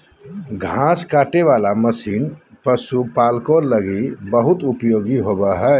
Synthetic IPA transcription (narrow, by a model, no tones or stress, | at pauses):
ɡʱãːskaːʈeʋaːlaməsiːn | pəsupaːlkoləɡibəɦʊt̪ʊpjoːɡiɦoːbəɦɛː